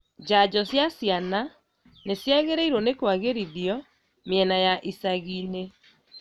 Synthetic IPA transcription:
d͡ʑad͡ʑɔsjasjana | nesjaɣeɾaiɾɔnekwaɣeɾiðiɔ | mjɛnajaʔisaɣine

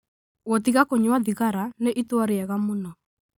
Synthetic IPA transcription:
ɣotiɣakoɲwaðiɣaɾaneʔitwaɾeɛɣamonɔ

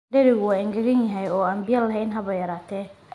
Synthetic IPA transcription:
dɛɾɪɣʊwaɪŋɡɐɣɐnjɐɦɛjɔːɐmbɪjɐlɐɦɛnɦɐβɐjɐɾaːt̪ʰɛ

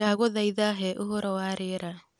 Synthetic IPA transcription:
aɣoðaiðaɦɛʔoɦoɾɔwaːɾeɾa

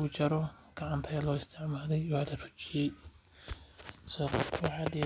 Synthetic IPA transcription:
ʊt͡ʃɐɾɔ | ɡ̥ɐʕant̪ʰɐjɐlɔːɪst̪ʰɪʕmaːlɛjwaːlɐrʊ̥t͡ʃɪjɛj | sɔːkkʰwħaːd̪i

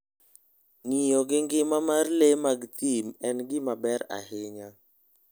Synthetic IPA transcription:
nijɔɡɪŋɡɪmamarlemaɡt̪imɛnɡɪmabɛɾa̰hɪɲa

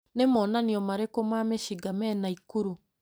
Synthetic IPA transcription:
nemɔːnaniɔmaɾekomameʃiɡamɛnaikuɾu

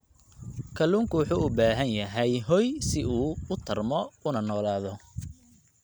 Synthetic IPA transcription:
kʰɐluːŋkʰʊwʊħuːʊbaːɦɐnjɐɦɛjɦɔjsɪuːʊt̪ʰɐrmɔʊnɐnɔːlaːðɔ

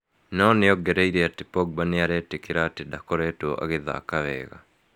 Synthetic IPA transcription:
nɔneɔɡɛɾɛiɾeatepɔɡ̚baneaɾɛtekeɾatedakɔɾɛtoɔʔa̰ɣeða̰ːkaβɛːɣa̰

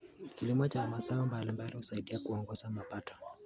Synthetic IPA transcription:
kilimɔt͡ʃamasaɔmbalimbalihusaiɗiakuɔŋɡɔzamapatɔ̥

